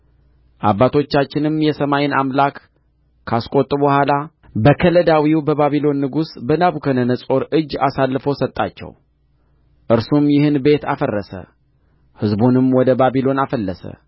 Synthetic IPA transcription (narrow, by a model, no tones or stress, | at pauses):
ʔabːat̪ʰo̞t͡ʃːat͡ʃːɪnɨmjɛsəmajɪna̰mlakːʰ | askʼo̞t̪ʼːɨbəhʷala | bəkʰələd̪awiwbəβaβilo̞nːɨɡusbənaβukʰənənəsʼo̞ɾɨd͡ʒːasalːɨfosət̪ʼːa̰t͡ʃːɛ̰w | ʔɨɾsumjɪhɨnbe̞t̪a̰fərːəsə̰ | hɨzbunɨmwɔd̪əbabilo̞nafəlːəsə̰